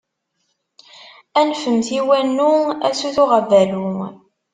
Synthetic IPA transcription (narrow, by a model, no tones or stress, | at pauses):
ænfəmθiwænːuæsuθʊʁəvːælu